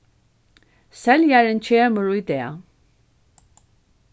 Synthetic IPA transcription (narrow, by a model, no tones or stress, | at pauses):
sɛljaɹənt͡ɕʰeːməɹʊjd̪eː